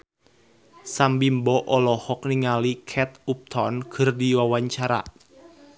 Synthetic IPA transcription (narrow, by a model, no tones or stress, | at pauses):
sambimbɔʔɔlɔhɔk̚niŋalikʰɛt̪̚up̚t̪ʰɔnkʰərdiwawaɲt͡ʃaɾa̰